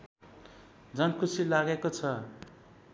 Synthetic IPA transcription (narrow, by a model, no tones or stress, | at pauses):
d͡zʌnkʰusilaɡekot͡sʰʌ